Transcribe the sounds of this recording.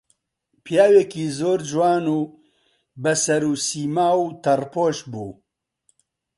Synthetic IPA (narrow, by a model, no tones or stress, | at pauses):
pjaːweːkiːzoːɾd͡ʒwaːnuː | bɐsɐɾuːsiːmaːut̪ʰɐrpoːʃbṵː